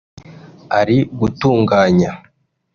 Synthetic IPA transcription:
aɾiɡutuːŋɡaːɲa

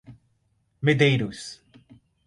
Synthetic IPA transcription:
med̪ejɾus

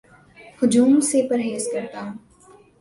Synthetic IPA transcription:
hʊd͡ʒuːmsepɐɾɦeːskɐɾt̪aɦʊ̃ː

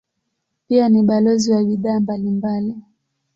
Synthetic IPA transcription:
pianiɓalɔziwaɓiðaːmbalimbali

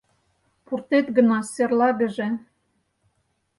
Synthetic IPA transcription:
purt̪et̪ɡə̆nɑserlɑɡə̆ʒĕ

